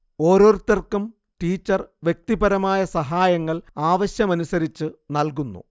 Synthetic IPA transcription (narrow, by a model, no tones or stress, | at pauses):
o̞ːɾo̞ːɾut̪ːɐrkum | ʈiːt͡ɕːɐrʋjek̚t̪ibɐɾɐmaːjɐsɐɦaːjɐŋːɐɭaːʋɐɕjɐmɐnusɐɾit͡ɕːɨnɐlkunːṵ